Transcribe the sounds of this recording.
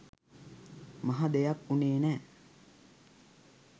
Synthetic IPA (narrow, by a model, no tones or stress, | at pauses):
maɦad̪ejakuneːnæː